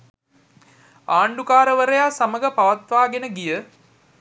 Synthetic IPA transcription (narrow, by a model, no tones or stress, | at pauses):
aːɳɖukaːɾəʋəɾəjaːsaməɡəpaʋat̪ʋaːɡenəɡijə